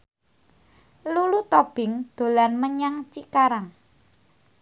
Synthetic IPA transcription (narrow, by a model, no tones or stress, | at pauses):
lulut̪ob̥ɪ̤ŋd̪̥o̤lanməɲaŋt͡ʃikaɾaŋ